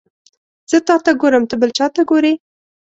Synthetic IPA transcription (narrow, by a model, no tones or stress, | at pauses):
z̥ət̪ɑt̪aɡoɾəmt̪əbəlt͡ʃɑt̪aɡoɾe